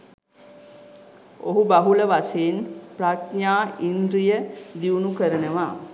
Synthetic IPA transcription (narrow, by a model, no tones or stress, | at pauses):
o̰ɦubaɦuləʋaseːnprat̪ɲaːind̪ɾijəd̪iunukəɾənəʋaː